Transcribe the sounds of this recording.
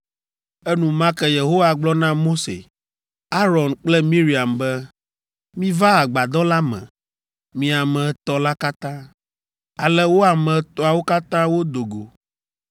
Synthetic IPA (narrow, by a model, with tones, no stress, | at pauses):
ɛ˦nũ˨mã˦kɛ˦je˨ɦo˦wa˨ɡ͡blɔ˦nã˦mo˦sḛ˨ | a˦ɾɔ˨nk͡plɛ˦mĩ˦ɾi˨a˨mbɛ˦ | mĩ˦va˦a˨ɡ͡ba˨d̪ɔ˦la˦mɛ̰̃˨ | mĩ˨a˨mɛ̃˨˦t̪ɔ˦la˦ka˦t̪ã˦ | a˨lɛ˦wo˦a˨mɛ̃˨t̪ɔ˦a˨wo˦ka˦t̪ã˦wo˦d̪o˨ɡo˨